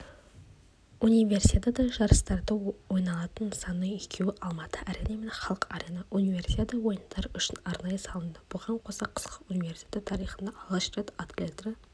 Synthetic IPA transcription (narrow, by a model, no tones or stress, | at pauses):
unijvʲe̞rsit̪ʲet̪ɑd̪ɑʒɑɾəst̪ɑɾd̪əwo̞jnɑlˠɑt̪ənsɑnəekʲʰewɪʔɑlˠmɑt̪əʔæɾenɑmenχɑlˠəqɑɾenɑʔunivʲersʲi̥t̪ʲet̪əwo̞jənd̪ɑɾʏʃɪnɑɾnɑjəsɑlˠənd̪əbʊʁɑɴqʰo̞sɑqʰə̥sqəunive̞rsʲt̪ʲet̪et̪ʰɑɾijχənd̪ɑlˠst̪ret̪at̪lʲet̪rə